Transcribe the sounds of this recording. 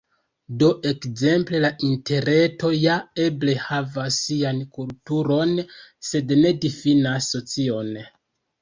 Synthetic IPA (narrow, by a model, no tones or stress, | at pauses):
do̞ʔe̞kze̞mple̞laʔinte̞ɾe̞to̞jae̞ble̞havasːiankultuɾo̞nse̞dne̞difinasːo̞t͡sio̞n